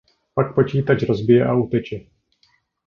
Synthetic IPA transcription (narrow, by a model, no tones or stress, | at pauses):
pak̚pot͡ʃiːt̪at͡ʃɾozbɪjɛʔaut̪ɛt͡ʃɛ